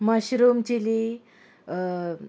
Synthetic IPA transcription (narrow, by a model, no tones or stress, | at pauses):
məɕɾumt͡ɕili